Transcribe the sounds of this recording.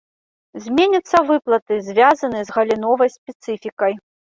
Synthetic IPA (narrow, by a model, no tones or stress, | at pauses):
zʲmʲenʲɐt̪sːɐvɨplˠɐt̪ɨzʲvʲazɐnɨzɣɐlʲinɔvɐjsʲpʲɛt̪sɨfʲikɐj